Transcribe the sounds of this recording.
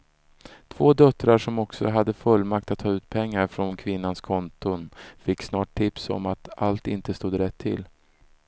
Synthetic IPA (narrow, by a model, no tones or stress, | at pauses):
t̪ʰv̥oːd̪œt̪ːɾaʂɔmɔksɔɦad̪ːəfɵlːmak̚t̪at̪ʰːɑːʉ̟ːt̪pʰɛŋːaɾfɾɔnkʰvɪnːanskʰɔnt̪ʊnfɪkːsnɑːʈʰːɪpsɔ̰mat̪alt̪ɪnt̪əst̪uːd̪ɾɛt̪ʰːɪ̰l